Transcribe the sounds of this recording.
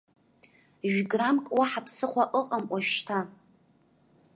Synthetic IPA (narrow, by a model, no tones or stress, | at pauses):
ʒɡramkʼwaħapʰsɨχʷaʔəqʼamʔʷaʃʃtʰa